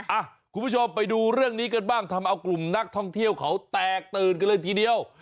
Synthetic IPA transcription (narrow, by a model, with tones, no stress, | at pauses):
ʔa˧˩kʰu˧nmʰpu˥˩o˧mpa˧jduː˧ɾɯ˥˩əŋniː˦˥kɤː˧nbaː˥˩ŋt̪ʰa˧mʔa˧wklu˨˩mna˦˥k̚t̪ʰɔ˥˩ŋt̪ʰi˥˩əwkʰa˦˥wt̪ɛː˨˩k̚t̪ɤː˨˧nka˧nlɤː˧jt̪ʰiː˧di˧əw